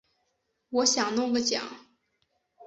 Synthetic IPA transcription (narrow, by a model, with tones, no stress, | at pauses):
wɔ˧˥ɕjɑ˨˩ŋnʊ˥˧ŋɡə˥˧t͡ɕjɑ̰˨˩˦ŋ